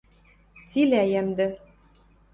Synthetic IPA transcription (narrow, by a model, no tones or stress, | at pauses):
t͡silæjæmd̪ɘ̆